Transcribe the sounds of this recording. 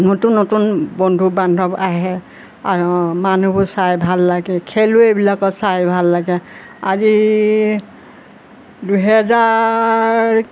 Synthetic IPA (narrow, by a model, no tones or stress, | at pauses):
notunːotunbɔndʱubandʱɔbaɦɛ | aɹmanubʱɔsajbʱalːaɡɛkʰeluebilakɔsajbʱalːaɡɛ | azi | duɦɛza | ɹ